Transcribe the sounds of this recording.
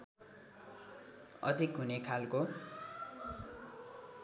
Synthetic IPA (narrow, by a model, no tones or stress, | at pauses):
ʌ̰d̪ʱikɦunekʰalko